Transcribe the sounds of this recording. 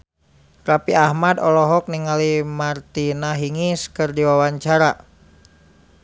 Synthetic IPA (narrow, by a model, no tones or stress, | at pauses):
rapiahmadɔlɔɦɔk̚niŋalimart̪inaɦiŋiskərdiwawaɲt͡ʃaɾa